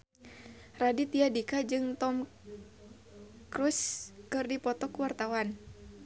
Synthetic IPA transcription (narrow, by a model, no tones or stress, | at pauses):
radit̪iadikad͡ʒɨŋt̪ɔm | kɾuskɨrdipɔt̪ɔkuwart̪awan